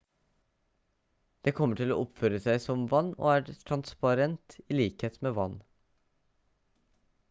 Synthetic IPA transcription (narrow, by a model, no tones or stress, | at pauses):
d̪̥eːkʰɔmːəʈʰɪlo̰ːʔɔpføːɾəsæɪsɔmʋɑnːo̰ːæːʈʰɾɑnspɑɾɛnt̪iːliːkheːt̪meːʋɑ̰n